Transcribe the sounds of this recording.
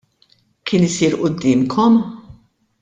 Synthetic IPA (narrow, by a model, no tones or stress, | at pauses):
kʰɪːnɪsiːɾʔʊd̪ːɪːmkʰɔm